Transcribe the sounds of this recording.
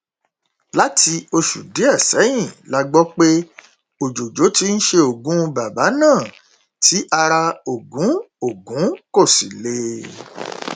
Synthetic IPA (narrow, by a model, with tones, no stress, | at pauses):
la˦ti˧o˧ʃu˨de˨˦ɛ˦˨sɛ˨˦j̃ĩ˦˨la˧ɡ͡bɔ˦k͡pe˦ | o˨d͡ʒo˨d͡ʒo˨˦ti˦n̩˦ʃe˧o˨ɡũ˨˦˧ba˨ba˨˦nãː˦˨ | tʰi˨˦ʔa˧ɾa˧o˨ɡũ˨˦ | o˨ɡũ˨˦ko˦˨si˨le˧˦